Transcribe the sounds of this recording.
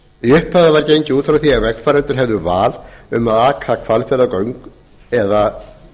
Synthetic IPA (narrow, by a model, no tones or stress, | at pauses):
iʏhpaðavaɾcejɲcɪuːt̪fɾawθiaɣvɛkn̥faɾɛnt̪ʏɾ̥ɦɛvðʏvaːlʏmaðaːkʰakʰvalfjɛlakœɥŋk | ɛða